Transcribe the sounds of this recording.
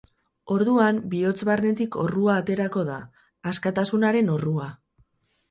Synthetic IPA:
o̞ɾðuambio̞t͡sβarne̞t̪iko̞̰ruaːt̪e̞ɾako̞ðaː | skat̪asunaɾe̞no̞rua

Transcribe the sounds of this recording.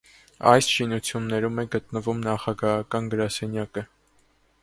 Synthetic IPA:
ɑjsʃinut͡sʰjunːɛɾumɛɡət̪nəvumnɑχɑɡɑɦɑkɑnɡəɾɑsɛnjɑkə

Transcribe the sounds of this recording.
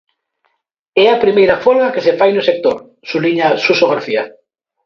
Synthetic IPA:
ɛɐpɾimejɾɐfɔlɐkesefajnʊsek̚t̪oɾ | suliɲɐsusoɣaɾθiɐ

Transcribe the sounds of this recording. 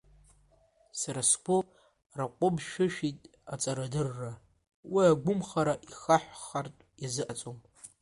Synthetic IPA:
saɾaskʷʰʊ | raqʷʼʊbʃɪʃᶣitʼ | at͡sʼaɾadɨrːa | wiaɡʷʊmχaɾaʔixaħʷχartʷʼjazɨʔat͡sʼom

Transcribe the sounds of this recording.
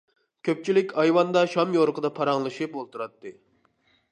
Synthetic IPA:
kʲʰøp̚t͡ʃʰilɪkʲʰɑjwɑnd̪ɑʃɑmjoɾqəd̪ɑpʰɑɾɑŋlˠɨʃɨpolˠt̪uɾɑt̪ːɨ

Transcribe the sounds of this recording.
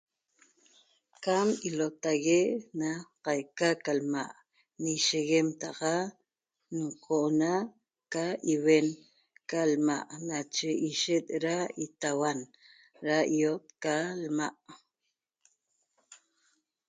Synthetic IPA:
kamilot̪aɣeʔnaqajkakalma̰ʔ | niʃeɣemt̪ɑqɑ | nɴqʰoʔnaʔ | kaiwen | kalmaʔnat͡ʃeʔiʃet̪̚ɾait̪awan | ɾaiot̪̚kalmaʔ

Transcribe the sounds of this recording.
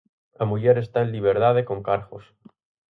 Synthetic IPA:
amuʝeɾe̞st̪aeliβ̞eɾðað̞ekoŋkaɾɣos

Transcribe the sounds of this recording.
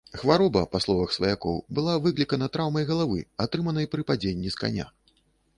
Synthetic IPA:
xvaɾɔbɐpaslˠɔvɐxsvɐjakɔ̰wbɨlˠavɨklʲikɐnɐt̪ɾawmɐjɣɐlˠavɨ̰at̪ɾɨmɐnɐjpɾɨpad͡zʲenʲːiska̰nʲa̰

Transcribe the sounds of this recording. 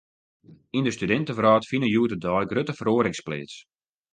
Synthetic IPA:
indəstydɛntəvraːtfinəjuətədɔːjɡrøtəfəɾoəɾɪŋsplḛːt͡s

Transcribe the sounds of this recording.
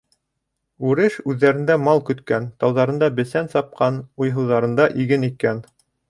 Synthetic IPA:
ʉɾɘʃʉðːæɾɘ̆nd̪æmɑlˠkɵ̆t̪kænt̪ɑwðɑɾɤ̆nd̪ɑbɘ̆sænsɑp̚qɑnujɦɤ̆wðɑɾɤ̆nd̪ɑʔiɡɘnikæn

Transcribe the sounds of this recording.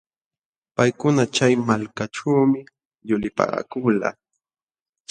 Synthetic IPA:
pajkʊnat͡ʃajmalkaʈ͡ʂaːmɪ | ʎʊlɪpa̰kʊla̰

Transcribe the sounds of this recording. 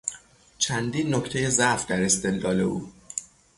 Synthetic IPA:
t͡ʃʰænd̪iːnːokct̪ʰeje̞zæʔfd̪æɾe̞st̪e̞lːɒːle̞ṵː

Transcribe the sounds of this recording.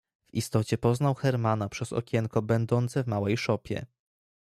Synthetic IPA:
vist̪ɔt͡ɕɛpɔznawxɛɾmanapʂɛz̥ɔ̰kʲɛŋkɔbɛnd̪ɔnt̪sɛvmawɛjʂɔpʲjɛ̰

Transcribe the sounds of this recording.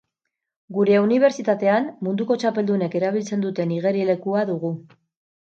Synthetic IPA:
ɡuɾe̞uniβ̞e̞ɾt͡ʃit̪at̪e̞anmund̪uko̞t͡ʃape̞ld̪une̞ke̞ɾaβ̞ilt͡se̞nd̪ut̪e̞niɣe̞ɾile̞kuaðuɣu

